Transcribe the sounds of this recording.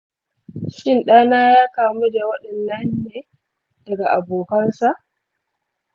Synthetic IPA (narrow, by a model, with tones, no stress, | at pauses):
ʃɪ˦nɗaː˦naː˦jaː˦kaː˨mu˦da˨wɐ˦ɗɐ˨nːɐ˦nːeː˦ | d̥ɐ˨ɡa˨ʔa˨boː˨kɐ˦nsa˦˨ʔ